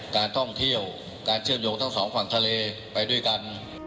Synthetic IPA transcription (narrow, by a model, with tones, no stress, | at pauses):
kaː˧nt̪ʰɔ˥˩ŋt̪ʰi˧˥˩əw | kaː˧nt͡ɕʰɯ˥˩mzo˨˧˥ŋt̪ʰa˧˩ŋsɔː˨˦ŋkʰwaː˨˩ŋt̪ʰaː˧leː˧ | pa˧jɗu˥˩əjka˧n